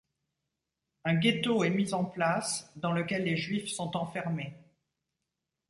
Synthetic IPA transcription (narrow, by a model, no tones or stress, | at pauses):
ɛ̃ɡʲet̪oɛmizɑ̃plasd̪ɑ̃ləkʲɛlːeʒɥifsɔ̃t̪ɑ̃fɛʁme